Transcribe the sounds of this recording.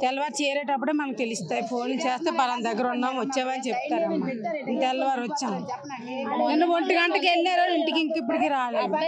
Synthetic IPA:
t̪ɛlɐʋaːɾt͡ʃɛːɾeːʈɐp̬ːuɽeːmɐnɐmk̚t̪elist̪aːjipʰo̞ːnt͡ʃeːst̪eːpɐlɐnd̪ɐɡːɐɾunːaːmʋɐt͡ʃːeːʋɐnit͡ʃep̚t̪aːɾɐnːant̪ɛlːɐʋaːɾot͡ʃːaːm | nenːuʋoɳʈiɡɐɳʈɐkelːeːɾoːiɳʈikiŋkip̬ːuɽikiːɾaːleːd̪u

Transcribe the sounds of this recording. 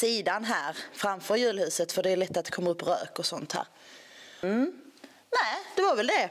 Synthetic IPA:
siːd̪anɦæːɾfɾamfœɾjʉ̟ːlhʉ̟ːsət̪fœɖɛæɭɛt̪ːat̪̚ɛkʰɔmːaɵpːɾø̰ːkɔsɔnt̪hæ̰ːɾ | næd̪̥ɛvaɾvɛld̪ɛ

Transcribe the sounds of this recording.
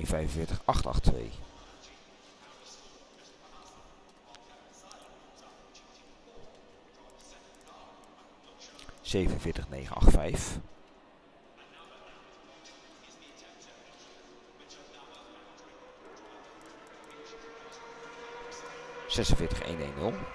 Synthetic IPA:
nvɛjvənvɪːɹtəχɑχtɑ̰χtʋḛj | z̥ejvənənvɪːɹtəχnḛjχə̰nɑ̰χtfɛjf | z̥ɛsənvɪːɹtəχḛjnḛjnːɵlˠ

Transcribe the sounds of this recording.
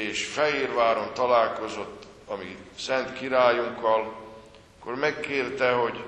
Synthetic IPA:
eːʃfɛɦeːrvaːɾo̞nt̪ɒlaːlko̞zo̞t̪ː | ɒmisɛnt̪kiɾaːjuŋkːɒl | kːormɛkːeːrt̪ɛɦo̞ɟ

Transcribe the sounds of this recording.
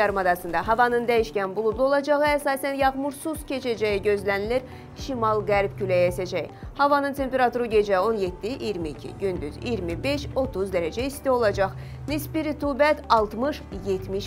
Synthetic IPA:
ɑɾmɑd̪ɑsɯnd̪ɑɦɑvɑnɯnd̪æjiʃcænbulˠublˠuo̞lˠɑd͡ʒɑʁɯæsɑːsænjɑʁmuɾsuscʰe̞t͡ʃʰæd͡ʒæjiɟø̞zlæniliɾ | ʃimɑlˠɡæɾb̚cylʲæjesæd͡ʒæjhɑvɑnɯnt̪ʰe̞mpe̞ɾɑt̪uɾɯɟe̞d͡ʒɛo̞nje̞t̪ʰːiʔijɾmiːcʰḭɟynd̪yzḭɾmibe̞ʃo̞t̪ʰuzd̪æɾæd͡ʒæist̪io̞lˠɑd͡ʒɑχ | nisbiɾit̪ʰubæt̪ʰɑlˠt̪mɯʃje̞t̪ʰmiʃ

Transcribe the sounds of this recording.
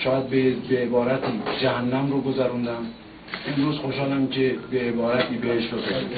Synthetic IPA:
ʃɒːjæd̪̚bebeːbɒːɾæt̪ʰiːd͡ʒæhænːæmɾoɡozæɾund̪æm | enɾuːzxoʃɑːlæmcʰebeːbɒːɾæt̪ʰiːbeheʃbosɑɾ

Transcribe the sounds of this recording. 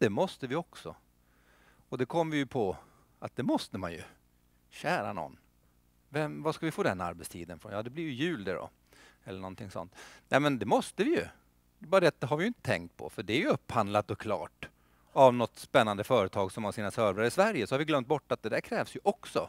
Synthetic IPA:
d̪̥ɛmɔst̪əvɪɔksɔ | ɔd̪ɛkʰɔmːvɪjɵpʰɔ | at̪̚d̪ɛmɔst̪əma̰njɵ̰ | ɕæːɾa̰nɔ̰nː | vɛmvaskalvɪfoːd̪ɛnːa̰ɾbɛt̪st̪ʰiːd̪ənfɾɔnjɑːd̪ɛblɪɾjɵjʉ̟ːld̪əɖɔ̰ | ɛlːəɳɔnt̪ʰɪŋsɔ̰nt̪nɛmɛnd̪ɛmɔst̪əvɪjɵ | d̪ɛbɑːɾad̪ɛat̪d̪ɛɦaɾvɪjʏɪnt̪ə̥t̪ʰɛ̰ŋkt̪̚pʰɔ̰fœɖɛæɾjɵɵpːhand̪lat̪ɔkʰlɑ̰ːʈ | avnɔt̪ːspɛnːand̪əfœːɾət̪ʰɑːɡsɔmhaʂiːnasœɾvɾaɾɪsvæɾjəsɔhaɾvɪɡlœmt̪̚bɔʈːat̪̚d̪ɛd̪æɾkʰɾɛːvsjɵʔɔksɔ

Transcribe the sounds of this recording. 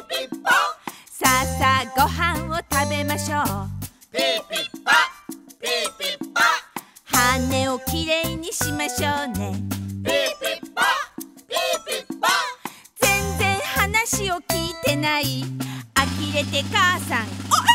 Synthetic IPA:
sasaɡoɦãot̪abemaɕo | haneokiɾeiɲiɕimaɕone | d͡zend͡zehanaɕiokit̪enaiakiɾet̪ekasã

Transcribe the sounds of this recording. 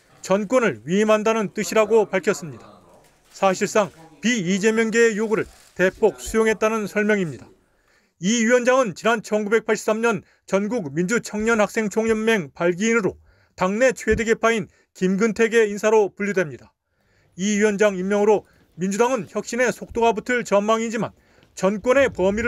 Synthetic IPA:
t͡ɕʌnk͈wʌnɯɭɥiimɦandanɯnt͈ɯɕʰiɾaɡopaɭkʰjʌs͈ɯmɲidḁ | sʰaɕʰiɭs͈aŋpiid͡ʑe̞mjʌnɡe̞ːjoɡɯɾɯɭ | te̞p͈ok̚sʰujoŋɦe̞t̚t͈anɯnsʰʌɭmjʌŋimɲida | iiwʌnd͡ʑaŋɯnt͡ɕinant͡ɕʰʌnɡube̞k̚pʰaɭɕʰi̥ps͈amɲʌn | t͡ɕʌnɡuɡ̚mind͡ʑut͡ɕʰʌŋɲʌnhak̚s͈e̞ŋt͡ɕʰoŋɲʌmːe̞ŋpaɭɡiːnɯɾo̰ | taŋne̞t͡ɕʰwe̞deɡe̞pʰain | kimɡɯntʰe̞ɡe̞insʰaɾopuʎːidwemɲida | iywʌnd͡ʑaŋimjʌŋɯɾo | mind͡ʑudaŋɯnçjʌk̚ɕ͈ine̞sʰok̚t͈oɡabutʰɯɭt͡ɕʌnmːaŋid͡ʑima̰n | t͡ɕʌnk͈wʌne̞pʌmiɾ

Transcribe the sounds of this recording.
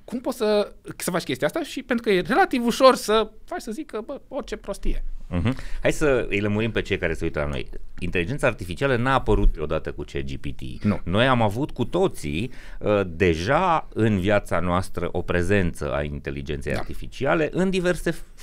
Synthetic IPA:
kumpo̞t̪səsəfat͡ʃkʲe̞st̪iaast̪aʃipent̪ɾukəjere̞lat̪ivuʃo̞rsəfat͡ʃsəzikəbəo̞rt͡ʃe̞pɾo̞st̪ijeɦm̩hajsəɨjləmuɾimpe̞t͡ʃe̞jkaɾe̞seujt̪əla̰no̞̰jint̪elid͡ʒe̞nt̪saːrt̪ifit͡ʃialənaːpəɾut̪̚eo̞d̪at̪əkut͡ʃḛd͡ʒipit̪ḭnuno̞jamavut̪kut̪o̞t̪sḭəd̪e̞ʒaɨnvjat̪sa̰noast̪ɾə̰ʔo̞pɾe̞ze̞nt̪sə̰ʔa̰int̪e̞lḭd͡ʒent̪seja̰a̰rt̪ifit͡ʃiale̞ʔɨnd̪ive̞rse̞

